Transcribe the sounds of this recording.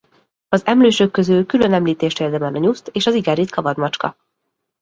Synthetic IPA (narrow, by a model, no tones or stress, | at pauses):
ɒzɛmløːʃøkːø̞zylkylø̞nɛmliːt̪eːʃt̪eːrd̪ɛmɛnɒɲust̪eːʃɒziɡɛɾit̪kɒvɒd̪mɒt͡ʃkɒ̰